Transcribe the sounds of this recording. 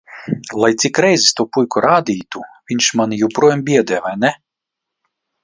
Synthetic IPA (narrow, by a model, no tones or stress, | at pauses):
lˠajt̪sʲikɾɛjzɛst̪uɔpujkuɾaːd̪ʲiːt̪uvʲiɲʲʃmanʲijuwpɾuɔjambʲiɛd̪ɛjvajnɛ